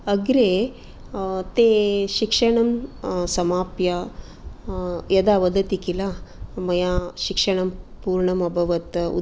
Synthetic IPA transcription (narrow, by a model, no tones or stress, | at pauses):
ɐɡɾe | t̪eʃikʂɐɳɐmsɐmaːpjɐ | jɐd̪aʋɐd̪ɐt̪ikilamɐjaʃikʂɐɳ̃ɐmpuːɾɳɐmɐbʱɐʋɐt̪ṵ